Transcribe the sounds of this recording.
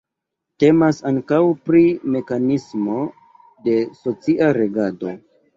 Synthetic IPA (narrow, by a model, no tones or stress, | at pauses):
te̞masaŋkawpɾime̞kanismo̞ | de̞so̞t͡siʔaɾe̞ɡado̞